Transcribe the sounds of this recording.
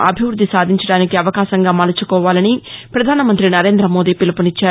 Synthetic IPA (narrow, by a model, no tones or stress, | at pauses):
ɐ̰bʱiʋɾud̪ʱːisaːd̪ʱiɲt͡ʃɐɽaːnikiɐʋɐkaːʃɐŋɡaːmɐːlɐt͡ʃukɔːʋaːlɐnipɾɐd̪ʱaːnɐmɐnt̪ɾinɐɾe̞ːnd̪ɾɐmo̞ːd̪iːpilupunit͡ʃːaː